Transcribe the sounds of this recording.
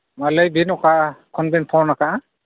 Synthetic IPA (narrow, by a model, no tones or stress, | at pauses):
malajbinɔkakʰɔnbinpʰawnakaʔa